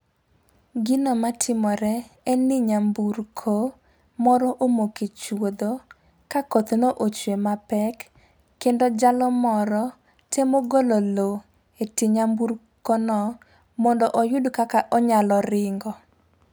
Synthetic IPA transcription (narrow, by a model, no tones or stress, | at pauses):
ɡɪnɔmatʰɪmɔɾɛɛnɪɲambuɾkʰo | mɔɾɔʔomoket͡ʃwod̪o | kakɔt̪noʔot͡ʃwemapɛkː | endod͡ʒalɔmɔɾɔ | tʰemoɡolɔlo | etɪɲambuɾ | konɔ | mɔndɔʔɔjʊdkakaʔɔɲalɔɾɪŋɡɔ